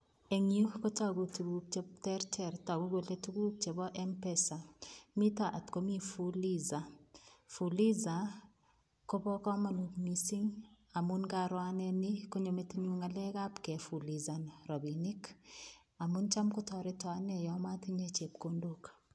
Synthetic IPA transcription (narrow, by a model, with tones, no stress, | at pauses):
eŋiu˦ko˦taɡutu˨ɡuk̚t͡ʃeptɛɾtɛɾta˨ɡu˦ɡo˨le˦tu˦ɡu˦k̚t͡ʃe˨bɔ˦ʔɛmpɛsami˦taʔa˨tko˦mi˦fuliza˨fu˨li˦za˨ | kobɔ˦kɔ˦ma˨nukmisi˦ŋ | a˨munkaɾwa˦nɛniko˦ɲo˨metiɲuŋalɛ˦ka˦pkɛ˨fu˨liza˨nɾɔ˨bini˦k | a˨munt͡ʃa˦mkotɔɾetwanɛjɔma˦ti˦ɲet͡ʃe˨p̚kondok